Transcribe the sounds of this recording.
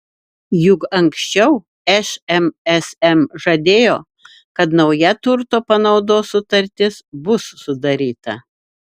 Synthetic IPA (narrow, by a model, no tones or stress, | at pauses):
jʊkɐŋʲksʲt͡ʃʲɛʊ | ɛʃɛmɛsɛmʒɐd̪ʲeːjoː | kɐt̪nɒʊjɛt̪ʊɾt̪oːpɐnɒʊd̪oːsʊt̪ɐɾʲt̪ʲɪsbʊsːʊd̪ɐɾʲiːt̪ɐ